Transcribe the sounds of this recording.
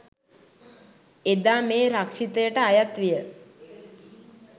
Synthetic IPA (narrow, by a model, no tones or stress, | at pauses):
ed̪aːmeːɾakʂit̪əjəʈəajat̪ʋijə